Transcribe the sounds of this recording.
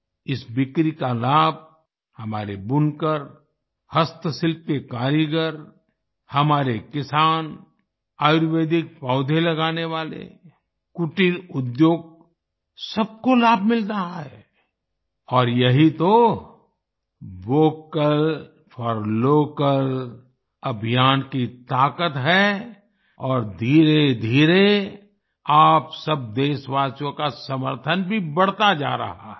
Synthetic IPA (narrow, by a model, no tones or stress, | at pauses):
ɪsbɪkɾikalaːb̚ | hɐmaːɾebʊnkəɾ | hɐst̪əsɪlpekaːɾiɡəɾ | hɐmaːɾekɪsaːn | aːjʊɾʋeːd̪ɪk̚paʊd̪ʱẽlɐɡaːneʋaːlḛ | kʊʈiɾʊd̪joːɡ̚ | sɐb̚kolaːb̚ʱmɪlt̪aɦɛː | ɔːɾjɐɦit̪o | ʋoːkəl | fʰəɾloːkəl | ɐbʱijaːnkit̪aːkət̪ɦɛː | ɔːɾd̪ʱiːɾed̪ʱiːɾe | aːpsɐb̚d̪eːʃʋaːsjõkasɐməɾt̪ʰənbʱibɐɽ̤t̪ad͡ʒa̰ːɾɐ̰ɦa̰ɦɛ